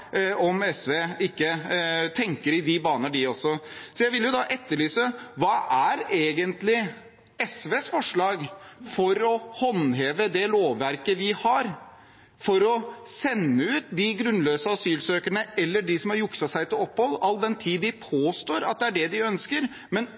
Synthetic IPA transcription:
ɔmɛsʋeːɪkːət̪ʰɛŋkəɾɪd̪ɪbɑːnəɖɪɔsːɔsɔjæɪʋɪljʊd̪ɑʔɛt̪ːəɭyːsəʋɑːʔæɾeːɡənt̪lɪ | ɛsʋeːsfɔʂɭɑːɡfɔɾɔhɔnɦeːʋəd̪ɛloːʋːæɾkəʋɪhɑɾ | fɔɾɔsɛnːəʉːt̪̚d̪ɪɡɾʉnløːsəɔsyːlsøːkəɳəʔɛlːəɖɪsɔmhɑɾjʊksɑsæɪt̪ɪlɔpːhɔlːɑlːd̪ɛnt̪ʰiːd̪ɪpʰoːst̪oːɾɑ̰t̪̚d̪ɛæɖɛd̪ɪœnskəɾ | mɛn

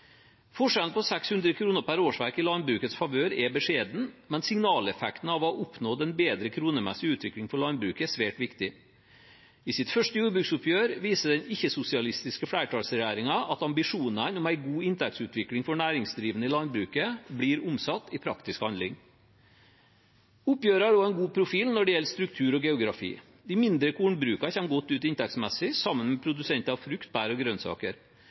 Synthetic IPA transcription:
fɔʂɛlnpʰɔsɛkshʉnd̪ɾəkʰɾuːnəpʰæɾoːʂʋæɾkɪlɑnbɾʉːkət̪sfɑʋøːɾɛbəʂeːd̪n̩mɛnsɪŋnɑːlɛfɛkt̪n̩ɑːʋɔʔʊpnoːd̪ɛnbeːd̪ɾəkʰɾuːnəmɛ̰sɪʉːt̪ʰʋɪklɪŋfɔɭɑnbɾʉːkəsʋeːʈʋɪkt̪ɪ | ɪsɪt̪fœʂtəjuːɾbɾʉksʊpʰjøːɾʋiːsəɖ̪ɛnɪçːəsʊsɪɑlɪst̪ɪskəflæɪʈʰɑːlsɾɛjæːɾɪŋɑʔɑt̪ɑmbɪʂuːnənʊmæɪɡuːɪnt̪ʰɛk̚t̪sʉːt̪ʰʋɪklɪŋfɔɳæːɾɪŋsd̪ɾiːʋənəɪlɑnbɾʉːkəbliːɾʊmsɑt̪ːɪpʰɾɑ̰kt̪ɪskhɑnd̪lɪŋ | ʊpjøːɾɑɾoːæɪnɡuːpʰɾʊfiːlnɔɖɛjɛlst̪ɾʉk̚t̪ʰʉːɾɔɡɛʊɡɾɑfḭː | d̪æɪmɪnd̪ɾəkʰuːɳbɾʉːkɑçɛnɡɔt̪ːʉːt̪ɪnt̪ɛk̚tsmɛsɪsɑmːənmɛpʰɾʊd̪ʉsɛnt̪əɑʋfɾʉkt̪̚b̥æːɾɔɡɾœnsɑ̰ːkəɾ

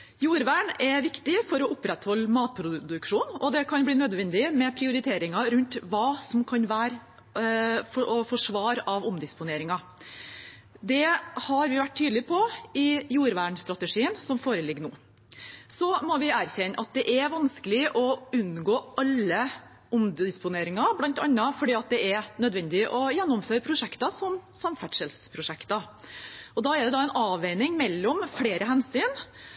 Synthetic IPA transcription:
juːɾʋæːɳɛʋɪkt̪ɪfɔɾɔʔʊpːɾɛt̪hɔlːmɑːt̪̚pʰɾʊd̪d̪ʉkʂuːnɔd̪ɛkʰɑnbliːnœd̪ʋɛnd̪ɪmɛpʰɾɪʊɾɪt̪ʰeːɾɪŋɑɾʉnt̪ʋɑːsɔmkʰɑnʋæːɾ | fɔɔfɔʂʋɑːɾɑʋɔmd̪ɪspʊneːɾɪŋɑ | d̪ɛhɑɾʋɪʋæʈ̚ːt̪ʰyːd̪lɪpʰɔɪjuːɾʋæːɳst̪ɾɑt̪əʂiːənsɔmfoːɾəlɪɡːnuː | sɔmɔʋɪæːɾçɛnːʔɑt̪̚d̪ɛʔɛɾʋɑnskəlɪʔɔʉnɡoːʔɑlːə | ɔmd̪ɪspʊneːɾɪŋɑblɑnt̪ɑnːəfɔɖiːɑt̪̚d̪ɛʔɛɾnœd̪ʋɛnd̪ɪʔɔjɛnːɔmføːɾəpʰɾʊʂɛkt̪ɑsɔmsɑmfæʈʂəlspʰɾʊʂɛkt̪ɑ | ɔd̪ɑːɛɾd̪ɛd̪ɑːɛɪnɑːʋeɪnɪŋmɛlːɔmfleːɾəɦɛnsyːn

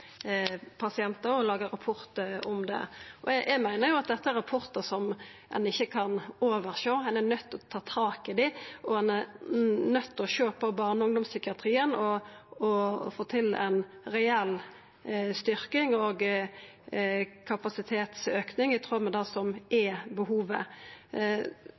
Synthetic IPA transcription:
pʰɑsɪɛnt̪əɾɔlɑːɡəɾɑpʰʊɾt̪əɔmd̪ɛ̰ɔjæɡmæɪnəɾjʊɑt̪̚d̪ɛt̪ːəæɾɑpʰʊʁt̪əsɔmɛ̰nɪçːəkʰɑnoːʋəɾʃoːɛnænœt̪ːɔt̪ʰɑːt̪ʰɑːkɪd̪ɪʔɔɛnæɾnœt̪ːɔʃøːpʰɔbɑʁnəʊŋd̪ʊmsʏkɪɑt̪ʰɾiːənɔɔfoːt̪ʰɪlæ̰ɪnɾɛɛlː | st̪ʏɾkɪŋɔɡ | kʰɑpɑsɪt̪ʰeːt̪søːknɪŋɪt̪ʰɾoːmɛd̪ɑsɔmʔɛbəhuːʋə̰

